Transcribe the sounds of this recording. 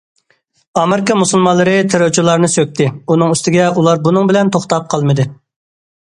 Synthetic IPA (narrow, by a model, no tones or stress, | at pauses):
ɑmɪɾɪkɑmusulˠmɑlˠːɨɾɨt̪ʰeɾot͡ʃʰulˠɑɾnɨsøk̚ʲt̪ʰɪunɨŋyst̪ɪɡʲɛulˠɑɾbunɨŋbɪlɛnt̪ʰoχt̪ɑp̚qʰɑlˠmɨd̪ɨ